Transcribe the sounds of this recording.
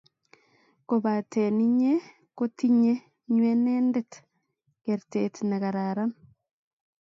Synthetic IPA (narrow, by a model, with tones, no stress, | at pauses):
ko˨βa˨te˨ni˦ɲe˦ | ko˦ti˦ɲe˦ | ɲwe˦neːndet | keɾtetna˨ɣaɾaɾan